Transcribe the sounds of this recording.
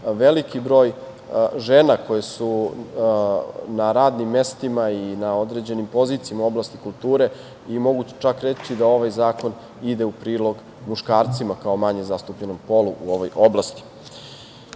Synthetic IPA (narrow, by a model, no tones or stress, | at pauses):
ʋelikibɾo̞ːj | ʒenako̞jesu | naɾaːd̪nimːe̞st̪imainao̞d̪ɾed͡ʑe̞nimpo̞ziːt̪sijamao̞blast̪ikulˠt̪uːɾe̞ | imo̞ɡut͡ʃakɾet͡ɕid̪ao̞ʋajzaːko̞n | id̪e̞upɾiːlo̞ɡ | muʃkaːɾt̪simakao̞maɲezast̪upʎeno̞mpo̞luʔuo̞ʋo̞jʔo̞blˠast̪i̥